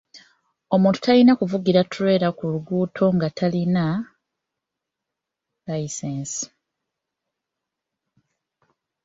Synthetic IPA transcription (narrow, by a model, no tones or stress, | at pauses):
o̞mũːntu̥talinakuvuɡiɾatuɾe̞ːɾakuluɡuːtʰo̞ŋɡatʰalina | laisensi̥